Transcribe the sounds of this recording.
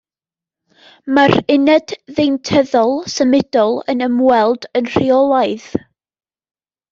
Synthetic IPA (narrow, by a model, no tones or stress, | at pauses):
maɾɪnɛdðejntʰəðɔlˠsəmɪdɔlˠə̰nəmwɛlˠdənr̥iɔlˠaɨð